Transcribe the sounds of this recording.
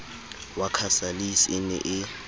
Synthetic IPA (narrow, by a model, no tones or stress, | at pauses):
wakʰasalisɪnɛ̰ʔɪ